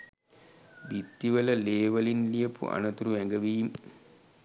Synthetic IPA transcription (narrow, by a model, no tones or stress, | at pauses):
bit̪ːiʋələleːʋɐlinlijəpṵʔa̰nɐt̪uɾuʋæŋɡəʋiːm